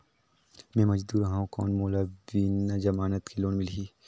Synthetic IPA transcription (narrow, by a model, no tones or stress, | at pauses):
mɛ̃ːmɐd͡ʒd̪uːɾɦaũkɔ̰ːnmoːlabiːnad͡ʒɐmaːnət̪kʰiloːnmɪlɦiː